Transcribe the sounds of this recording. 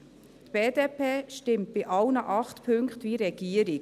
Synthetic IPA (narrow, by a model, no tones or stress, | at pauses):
tb̥eːdeːpeːʃtɪmt̚b̥ɪʔɑlnəʔɑχtpʰɵŋkχtʋiɾɛɡ̥iəɾɪ